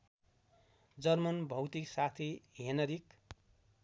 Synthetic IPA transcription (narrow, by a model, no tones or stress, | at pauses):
d͡zʌrmʌnbʱʌwt̪iksat̪ʰiɦenʌɾik